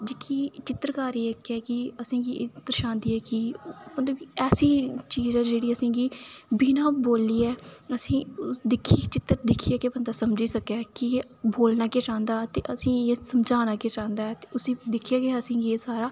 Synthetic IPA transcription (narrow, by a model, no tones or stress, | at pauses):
d͡ʒɪkʰiːt͡ʃɪt̪əɾkaːɾiːekːɛːkɪəsĩːɡiːʔɪt̪ːəɾʃãːnd̪iːɛːkipənd̪õːiɛːsiːt͡ʃiːzãːd͡ʒeːɽiːəsĩːɡiːbiːnãːboːliːɛːəsĩːd̪ɪkʰːiːt͡ʃɪt̪ːəɾd̪ɪkʰːiːaːkeːbənd̪aːsəmd͡ʒiːsəkɛːkɪ | boːlnaːkeːt͡ʃãːnd̪aːt̪eːʔəsĩːeːsəmd͡ʒãːnaːkeːt͡ʃãːnd̪aːɛːt̪eːʊsĩːd̪ɪkʰːijaːkeəsĩːɡieːsaːɾaː